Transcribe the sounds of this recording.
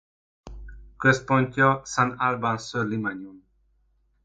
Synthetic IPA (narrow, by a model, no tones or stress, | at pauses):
køs̚pɔnʲt̪ʲɔsãnalbansølimaɲun